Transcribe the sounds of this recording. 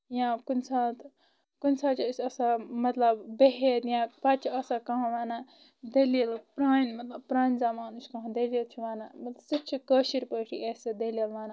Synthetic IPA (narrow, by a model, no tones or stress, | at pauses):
jãkunʲsaːt̪ʰ | kunʲsaːt͡ʃʰisɐsamɐt̪lɐbbeɦet̪jãpɐt͡ʃʰiɐsakɐɦãʋaːna | d̪ɐliɐlpɾaːnmɐt̪lɐb̚pɾaːnzamaːnuskɐ̃ɦãd̪ɐliilt͡ʃʰiʋaːnamɐt̪lɐsit͡ʃʰikəːʃiɾpəːʈʰḭʔesed̪ɐlijɐlʋaːna